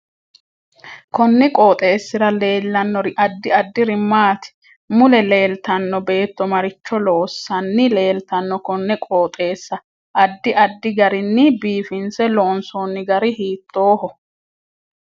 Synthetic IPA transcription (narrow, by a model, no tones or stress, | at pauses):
kɔnːɪkʼoːt̪ʼe̞ːsːɪɾɐle̞ːlːɐnːɔɾɪʔɐd̪ːɪɐd̪ːɪɾɪmːaːt̪ɪ̥ | mʊlɛle̞ːlt̪ɐnːɔbe̞ːt̪ːɔmɐɾɪt͡ʃːɔloːsːɐnːɪle̞ːlt̪ɐnːɔkɔnːɪkʼoːt̪ʼe̞ːsːɐ | ʔɐd̪ːɪʔɐd̪ːɪɡɐɾɪnːɪbiːfɪnsɛloːnsoːnːɪɡɐɾɪhiːt̪ːo̞ːhɔ